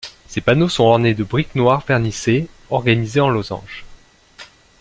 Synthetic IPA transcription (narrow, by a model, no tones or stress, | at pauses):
sepanosɔ̃ɔʁned̪əbʁiknwaʁfɛʁnise | ɔʁɡanizeɑ̃lozɑ̰̃ʒ